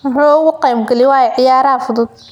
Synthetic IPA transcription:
wħuːʊɣʊqijmɡɐlɪwaːjɛʕɪjaːɾɐfʊdʊd̪̚

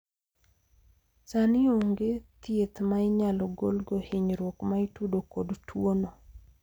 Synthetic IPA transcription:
sanɪuŋɡet̪jet̪maɪɲalɔɡolɡohɪɲɾwokmaitudokodtʰwono

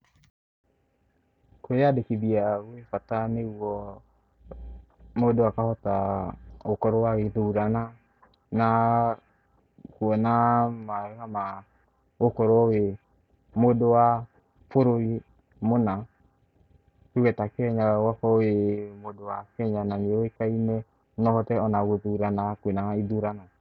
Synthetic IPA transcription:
kwejadekiðiaɣoefatanewɔ | modowakahɔta | okɔɾɔwaɣeðoɾana | na | kuɔnamaɛhama | okɔɾɔɔwe | modowa | foɾoi | mona | kuɣɛtakɛɲawakɔwemodowakɛɲanaɲeoekaimɛ | nɔhɔtɛɔnaɣoðuuɾanakenaiðuɾanɔ

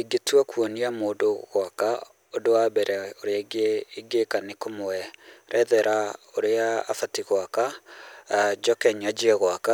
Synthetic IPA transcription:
eɡetuakwoniamoːdoɣwaka | odowabɛɾɛoɾeaiɡeiɡekanekomoɛɾɛðɛɾaoɾea̰ːfatiɣwaka | d͡ʒɔkɛɲad͡ʒiɛɣwaka

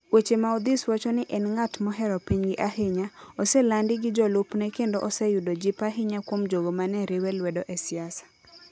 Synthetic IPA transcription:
wet͡ʃemaɔd̪ɪswɔt͡ʃɔnɪʔɛnŋatmɔɦɛɾɔpiɲɡɪʔaɦɪɲaɔsɛlandɪɡɪd͡ʒɔlʊpnɛkendɔʔɔsɛjudod͡ʒipaɦɪɲakwomd͡ʒoɡomanɛɾɪwɛlwɛdɔʔɛsɪasḁ

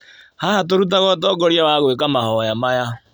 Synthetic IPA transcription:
hahat̬oɾut̬aɣɔt̬ɔːɡɔɾjawaɣwekamaɦɔjamaja

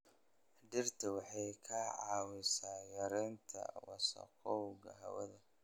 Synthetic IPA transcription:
dɪrt̪ʰɐwɑħɑjkʰɐʕɑːwɪsaːjɐɾɛːnt̪ʰɐ̰wɑsɐ̰qʰɔwɡɐ̰ɦɐ̰wɐ̰ðɐ

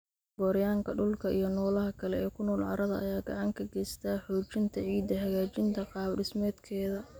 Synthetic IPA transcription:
b̥ɔːɾjaːŋkʰɐɖʊlkʰɐʔḭjɞnɔːlɐɦɐkʰɐlɛɛːkʰʊnɔːlʕɑ̰ɾɐðɐʔɐ̰jaːɡɑʕɑŋkʰɐɡɛst̪ʰaːħɔːt͡ʃɪnt̪ʰɐʕiːd̪ɐɦɐɣaːt͡ʃɪnt̪ʰɐqɑːbɖɪsmɛːd̪kʰɛːðɐ

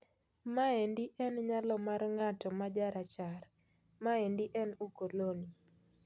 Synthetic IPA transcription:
maendiʔɛnɲalɔmarŋatɔmad͡ʒaɾat͡ʃar | maendiʔɛnukoloni

